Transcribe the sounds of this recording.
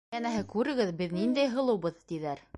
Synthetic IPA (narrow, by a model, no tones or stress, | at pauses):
ænæɦɘkʉɾɘ̆ɡɘðbɘðnind̪æjɦɤ̆lˠɤ̆wβɤðt̪iðæɾ